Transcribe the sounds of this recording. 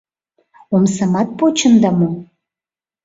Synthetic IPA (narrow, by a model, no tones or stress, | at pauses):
omsə̆mɑt̪̚pot͡ɕə̆nd̪ɑmo